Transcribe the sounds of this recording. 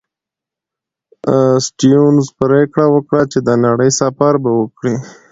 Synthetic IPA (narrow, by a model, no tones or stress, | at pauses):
sʈijunzpɾekɽawəkɽat͡ʃed̪anaɽəjsɑfaɾbawəkɽi